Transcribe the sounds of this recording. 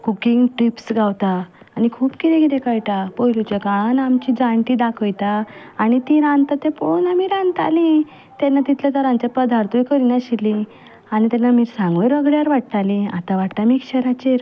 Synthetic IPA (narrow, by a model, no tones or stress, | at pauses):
kukiŋɡʈɾipsɡawt̪aː | nikʰuːpkiɾẽɡiɾẽkajʈ̪apojlut͡ɕekanamt͡ɕid͡zãɳʈid̪akʰəjt̪aː | nit̪iɾãnd̪t̪at̪eponamiɾãnt̪a̰lĩ | t̪ɛnːat̪it̪ʰlat̪əɾãɲt͡ɕjapəd̪ʱaɾt̪ujkəɾinaɕilĩ | añit̪ɛnːamiːɾsãŋɡʋəɾəɡɭjaɾʋaʈ̚t̪alĩa̰t̪aʋaʈt̪amiːkɕəɾat͡ɕeɾ